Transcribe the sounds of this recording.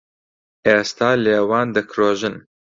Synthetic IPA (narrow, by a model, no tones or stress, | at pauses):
eːst̪ɑːleːwɑːnd̪əkʰɾoːʒɨn